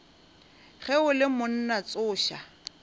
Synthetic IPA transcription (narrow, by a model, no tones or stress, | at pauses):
ɣɛʊlɪmʊn̩nat͡sʼʊːʃa